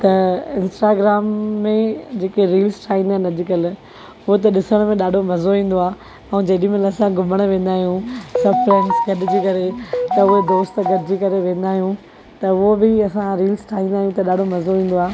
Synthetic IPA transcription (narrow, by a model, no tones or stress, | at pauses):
t̪ɐɪ̃nsʈaːɡɾaːmːẽd͡ʑeːkeɾiːlsʈʰaːɦĩːnd̪aːɪnɐd͡ʑɪkəl | ʊɦot̪̬ɐɗɪsəɽ̃mẽɗaːɖʱomɐzoĩːn̆d̪oaː | ɛ̃ːd͡ʑɐːɗĩmẽnɐsãɡʊməɽ̃ʋẽːn̆d̪aːɦijũsɐfɾɛːnʈsɡɐɗɪd͡ʑiːkɐɾet̪ɐʊɦed̪oːsʈ̪ɡɐɗɪd͡ʑiːkɐɾeʋẽːn̆d̪aːɦijũ | t̪ɐʊɦobɪɐsãɾiːlsʈʰaːɦĩːnd̪aːɦjũt̪ɐɗaːɖʱomɐzoĩːn̆d̪oaː